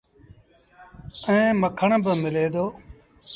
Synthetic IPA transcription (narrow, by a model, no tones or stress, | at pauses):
ɛ̃ːməkʰəɳbəmɪleːd̪oː